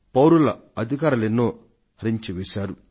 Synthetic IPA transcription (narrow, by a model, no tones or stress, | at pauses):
pɐwɾulɐ | ɐd̪ʱikaːɾulenːoː | ɐɾiɲt͡ʃiʋɛːʃaːɾu